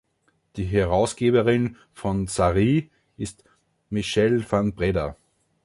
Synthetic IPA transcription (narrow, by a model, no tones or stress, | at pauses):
d̥iːɦɛʁaʊsɡ̥eːbəʁɪn | fɔnsaʁiː | ʔɪst | miʃɛlfanbʁɛdɐ